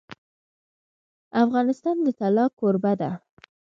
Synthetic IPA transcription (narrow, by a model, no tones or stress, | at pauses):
afɣɑnɪst̪ɑnd̪ət̪alɑkoɾbad̪a